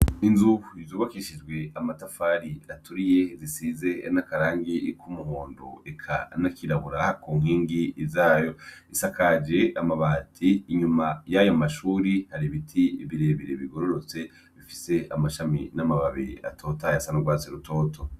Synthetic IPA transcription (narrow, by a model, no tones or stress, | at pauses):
inzuuizuːβakiʃid͡ʒɡwe̞amatafaɾiatuɾije̞zisize̞nakaɾaːŋɡikʰumuɦoːndo̰ekʰa̰nakʰiɾaβuɾakuːŋ̥iːŋɡiːzaːjo̞isakad͡ʒe̞amaβatʰiːɲumajajomaʃuːɾihaɾiβitʰiiβiɾeβiɾeβiɡo̞ɾo̞ɾo̞t͡se̞ | βifise̞amaʃaminamaβaβia̰tʰo̞ːtajasanoɡwaːt͡siɾutʰo̞ːtʰo̞